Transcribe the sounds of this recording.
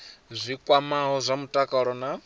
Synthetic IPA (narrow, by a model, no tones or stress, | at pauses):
zʷikʼwamaɦɔzʷamutʼakʼaɺɔna